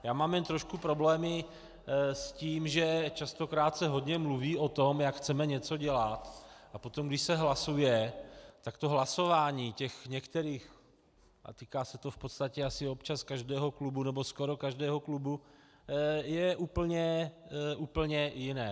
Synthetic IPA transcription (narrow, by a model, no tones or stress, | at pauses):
jaːmaːmjɛnt̪ɾoʃkupɾo̞blɛːmɪ | sciːmʒɛt͡ʃast̪o̞kɾaːt̪sɛɦo̞d̪ɲɛmluviːot̪o̞mjakxt͡sɛmɛɲɛt͡so̞ɟɛlat̪ʔapo̞t̪omɡdɪʃsɛɦlasujɛt̪akt̪o̞ɦlaso̞vaːɲiːcɛxɲɛkt̪ɛɾiːx | ʔa̰t̪iːkaːsɛt̪o̞fpot̪st̪acɛasɪopt͡ʃaskaʒdɛːɦo̞klubunɛbosko̞ɾo̞kaʒdɛːɦo̞klubu | jɛʔuːpl̩ɲɛʔuːpl̩ɲɛjɪnɛː